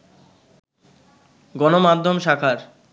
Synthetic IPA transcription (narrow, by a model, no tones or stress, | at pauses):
ɡɔnomad̪ʱːomʃakʰaɾ